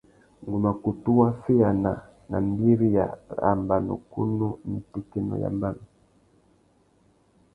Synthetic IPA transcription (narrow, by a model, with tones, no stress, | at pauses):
ŋɡu˨ma˨ku˨tu˦wa˦fi˦a˨na˨ | na̰˨m˦bi˦ɾi˦ja̰˨ɾa̰˨mba˨nṵ˨ku˦nu˦m̩˦˨ti˦kɛ˦nɔ̰˨ja̰˨mba˦˨nu˨